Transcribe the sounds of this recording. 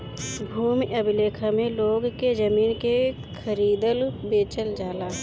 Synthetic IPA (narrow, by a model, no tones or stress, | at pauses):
bʱuːmiʔəbileːkʰamẽloːɡked͡ʒəmiːnke | kʰəɾiːd̪əlbeːt͡ʃəld͡ʒaːlaː